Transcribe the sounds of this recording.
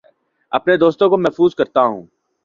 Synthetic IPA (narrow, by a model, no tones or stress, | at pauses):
ɐpned̪oːst̪õkomɛɦfuːzkɐɾt̪aɦṵ̃ː